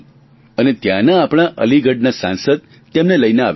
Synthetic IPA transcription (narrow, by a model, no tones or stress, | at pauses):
ənet̪janaːpɳ̃aʔə̰liɡəɖnasã̰nsəd̪̚ | t̪emneləjneaʋ